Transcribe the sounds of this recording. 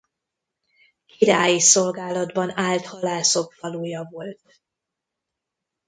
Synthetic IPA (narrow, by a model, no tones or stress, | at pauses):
kiɾaːjiso̞lɡaːlɒd̪bɒnaːlt̪hɒlaːso̞kfɒluːjɒvo̞lt̪̚